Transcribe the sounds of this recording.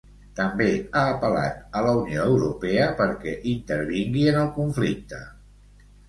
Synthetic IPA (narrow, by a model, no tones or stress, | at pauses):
t̪əmbeaːpəla̰t̪ələunioəwɾupɛəpəɾkɛʔint̪əɾβiŋɡiənəlˠkuɱflik̚t̪ə̰